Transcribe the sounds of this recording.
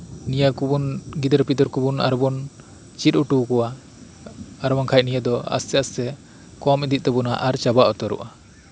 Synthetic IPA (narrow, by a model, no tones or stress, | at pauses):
nijakubunɡid̪əɾpid̪ɔɾkubuna̰ɾbun | t͡ʃit̪̚uʈukɔwa | aɾmaŋkʰaj̚nijad̪ɔa̰sɛasɛ | kɔmid̪it̪̚t̪ɛbunaʔaɾt͡ʃabaʔɔt̪ɔɾṵʔa